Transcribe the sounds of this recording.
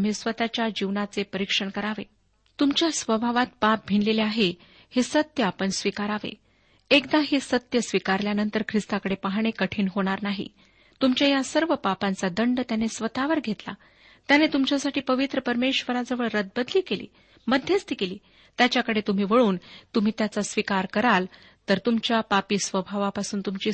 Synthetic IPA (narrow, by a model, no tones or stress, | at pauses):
m̤iːsʋət̪at͡ɕjad͡ʑiʋnat͡sepəɾikʂəɳkəɾaʋe | t̪umt͡ɕjasʋəbʱaʋat̪̚pap̚bʱiɳleleaɦe | hesət̪jəapəɳsʋikaɾaʋḛ | ekd̪aɦisət̪jəsʋikaɾljanənt̪əɾkʰɾist̪akəɽepaɦɽ̃ekəʈʰiːnɦoɽ̃aɾnaɦḭ | t̪umt͡ɕjajasəɾʋəpapãnt͡sad̪əɳɖt̪janesʋət̪aʋəɾɡʱet̪la̰ | t̪janet̪umt͡ɕjasaʈiːpəʋit̪ɾəpəɾmeɕʋəɾad͡zəʋəɭɾəd̪̚bəd̪liːkelḭː | məd̪ʱjəst̪ikeliː | t̪jat͡ɕjakəɽet̪um̤iːʋəɭuːnt̪um̤iːt̪jat͡sasʋikaɾkəɾal | t̪əɾt̪umt͡ɕjapapiːsʋəbʱaʋapasuːnt̪umt͡ɕiː